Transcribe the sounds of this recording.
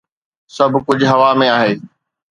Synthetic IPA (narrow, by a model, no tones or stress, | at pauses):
sɐbʱkʊd͡ʑʱɦɐʋamẽaːɦeː